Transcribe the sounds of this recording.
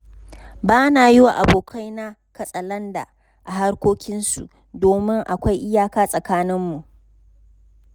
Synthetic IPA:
baː˦naː˨jɪ˦waː˨ʔa̰˨boː˨kʰa˦jna˦kɐ˨sʼɐ˨lɐ˦nda̰˨ | ʔa˨ɦa˦rkʷoː˦kʲɪ˦nsṵ˨ʔ | doː˨mɪ˦ŋʔa˨kʷa˦jʔɪ˦jaː˦kaː˦sʼɐ˨kaː˦nɪ˦mːu˨ʔ

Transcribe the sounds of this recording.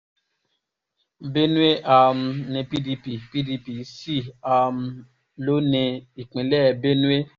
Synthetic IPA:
be˦nũ˦e˦ʔa˧m̩˧nĩ˧pi˦di˧pi˨pi˦di˧pi˨si˦˨a˧m˧ | lo˦nĩ˧i˨k͡pĩ˨lɛ˦˧˨be˦nũ˦e˦

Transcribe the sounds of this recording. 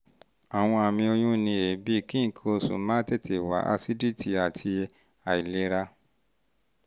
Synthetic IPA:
a˨w̃ɔ̃˧a˨mĩ˧o˧jũ˦nĩ˧e˨bi˦˨kĩ˦˨kʰo˧sṵ˨˦mã˦te˦˨tʰe˨wa̰˨˦ʔa̰˧si˦di˦˨ti˨a˨tʰi˧ | a˨i˨le˧ɾa˧

